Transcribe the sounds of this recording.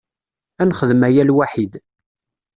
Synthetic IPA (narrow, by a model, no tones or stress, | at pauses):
ænχəðəmæjælwaħið